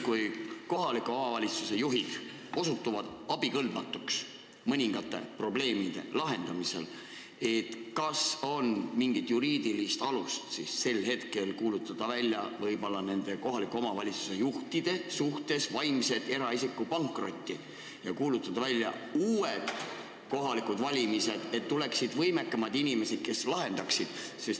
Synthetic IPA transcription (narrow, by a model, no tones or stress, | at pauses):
kujko̞ɦɑlikːˑuo̞mɑvɑlʲit̪suse̞juɦid̪̥ | o̞sut̪ːuvɑd̪̥ɑb̥ikɤld̪mɑt̪ːˑuks | mɤnʲiŋɡ̥ɑt̪ːˑe̞̰pro̞ble̞ːmid̪̥e̞̰lɑɦe̞nd̪̥ɑmise̞̰l | e̞t̪kɑso̞nmiŋɡ̥it̪juɾiːd̪ilist̪ɑlust̪sisːe̞lhe̞t̪ke̞lkuːlut̪ːˑɑd̪̥ɑvælʲjɑvɤjbo̞lːɑne̞nd̪̥e̞ko̞ɦɑlikːˑuo̞mɑvɑlʲit̪su̥se̞juht̪id̪̥e̞suht̪e̞svɑjmse̞d̪̥e̞ɾɑisikːˑupɑŋkro̞t̪ʲːi | jɑkuːlut̪ːˑɑd̪ɑvælʲːjɑ̰ | uːed̪̥ | ko̞ɦɑlikud̪̥vɑlʲimise̞d̪̥e̞t̪ːule̞ksid̪vɤ̞jme̞kːˑɑmɑd̪inime̞sed̪̥̚ke̞slɑɦe̞nd̪̥ɑksid̪̥ses